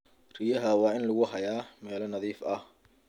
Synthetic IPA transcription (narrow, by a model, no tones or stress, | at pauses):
r̥ijɐɦɐwɑːɪnlʊɣʊɦɐjaːmɛːlɐnɐðiːfɐh